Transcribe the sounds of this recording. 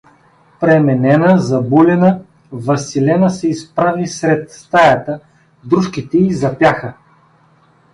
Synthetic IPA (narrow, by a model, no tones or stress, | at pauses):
pɾɛmɛnɛnəzɐbulʲɛnə | vɐsilɛnəsɛispɾavisɾɛt̪̚st̪ajɐt̪ə | d̪ɾuʃkit̪ɛizɐpʲjaxə